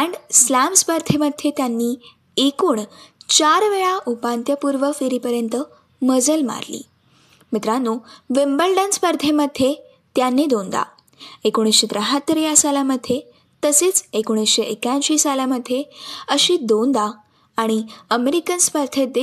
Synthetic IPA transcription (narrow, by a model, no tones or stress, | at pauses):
æ̃ɳɖslæmspəɾt̪ʰeməd̪ʱːjet̪janːiː | ekuːɳt͡ɕaɾʋeɭaʔupant̪jəpuɾʋəfiɾipəɾjənt̪ə | məd͡zəlma̰ɾlḭː | mit̪ɾanuʋembəlɖənspəɾt̪ʰeməd̪ʱje | t̪janːid̪ond̪a̰ | ekoɽ̃isɕed̪ɾəɦat̪ːəɾijasalaməd̪ʱːje | t̪əseːt͡sekoɽ̃isɕeʔekãnɕiːsalaməd̪ʱːeəɕiːd̪ond̪aː | ɽ̃iəmeɾikənspəɾt̪ʰed̪e